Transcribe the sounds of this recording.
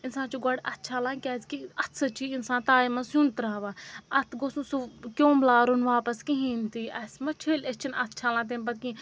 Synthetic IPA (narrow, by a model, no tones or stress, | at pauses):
ɪnsãːnt͡ʃuɡɐɽɐt̪̚t͡ʃʰaːlãːkʲaːzkiɐt̪sʰɐt͡ʃʰiːɪnsãːnt̪aːimɐsjũnt̪ɾãːʋaːɐt̪ʰɡosũsukʲõːmlaːɾunʋaːpɐskiɦiːnt̪iːɐsmɐt͡ʃʰeːlet͡ʃʰinɐt̪t͡ʃʰaːlãːt̪̬enpɐt̪kĩ